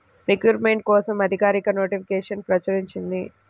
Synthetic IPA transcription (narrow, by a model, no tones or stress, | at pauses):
ɾekjuːɾmeɳʈ̚kɔːsɐmɐd̪ʱikaːɾikɐno̞ːʈipʰikeːʂɐnpɾɐt͡ʃɐɾiɲt͡ʃind̪i